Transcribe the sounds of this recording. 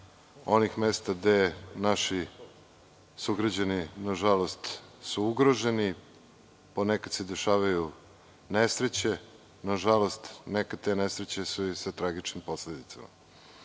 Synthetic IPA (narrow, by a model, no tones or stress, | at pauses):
o̞nixmest̪aɡd̪enaʃi | suɡɾad͡ʑaninaʒalo̞st̪suuɡɾo̞ʒe̞ni | ponekad̪sed̪e̞ʃaːʋaju | nesɾet͡ɕe̞ | naʒalo̞st̪nekat̪enesɾet͡ɕesusat̪ɾaɡit͡ʃnimpo̞sled̪it̪sa̰ma̰